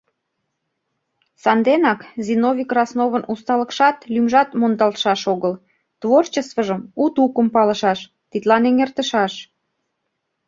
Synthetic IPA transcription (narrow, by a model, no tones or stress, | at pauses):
sɑnd̪enɑkzinovʲikrɑsnoβənust̪ɑlə̆kʃɑt̪lymʒɑt̪mond̪ɑlt̪ʃɑʃoɣəl | t̪vort͡ɕəst̪vəʒəmut̪ukəmpɑlə̆ʃɑʃ | t̪it̪lɑneŋert̪əʃɑʃ